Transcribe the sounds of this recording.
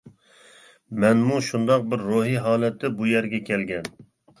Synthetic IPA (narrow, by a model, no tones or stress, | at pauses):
mɛnmuʃund̪ɑq̚bɪɾːoɦiɦɑːlɛt̪ʰːɪbujɛɾɡʲɛkʲʰɛlɡʲɛn